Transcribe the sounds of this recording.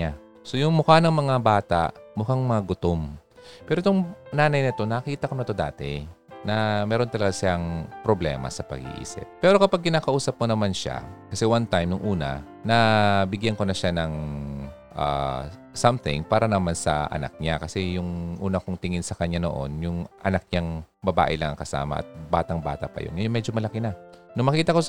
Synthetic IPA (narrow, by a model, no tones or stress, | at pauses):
a | so̞jʊŋmʊkanɐŋmɐŋabaːt̪a̰ʔmʊkaŋmɐŋaɡʊt̪om | pɛːɾot̪oŋnaːnɐjnɐt̪o̞nɐɐkiːt̪ɐko̞nɐt̪o̞d̪a̰ːt̪ɛ̰ | nɐmɛːɾo̞nt̪ɐlɐɡasɪaŋpɾoblɛ̰ːmɐ̰sɐpɐ̰ɡḭʔḭːsɪ̰p̚ːɛːɾo̞kɐpaɡ̚kɪnaːkɐʔuːsɐp̚konɐmanʃa̰kɐsɛwant̪ajmnʊŋʔuːnɐ̰ | nɐbɪɡjanko̞nɐʃanɐŋ | ʔa̰ | samθɪ̃ŋpaːɾɐnɐmansɐ̰ʔɐ̰na̰k̚ɲakɐsɛjʊŋʔuːnɐkʊŋt̪ɪŋɪnsɐkɐɲːano̰ʔo̞̰njʊŋʔɐ̰nak̚ɲaŋbɐba̰ːʔɪlɐŋɐ̰ŋkɐsa̰ːmɐ̰ʔɐ̰t̪̚baːt̪ɐŋba̰ːt̪ɐpɐ̰jo̰njʊŋmɛːd͡ʒomɐlɐkɪnɐnʊŋmɐkiːt̪ɐko̞